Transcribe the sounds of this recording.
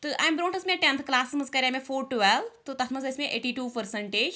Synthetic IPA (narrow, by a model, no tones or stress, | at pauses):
t̪ɨʔaːjmbɾõːɳʈɨsmẽʈẽnt̪ʰklaːssmɐzkɐɾʲamẽfoːɾʈuʋɛlt̪ot̪ɐt̪ʰmɐzɐsmẽʔḛːʈiːʈuːpəɾsəɳʈeːd͡ʒ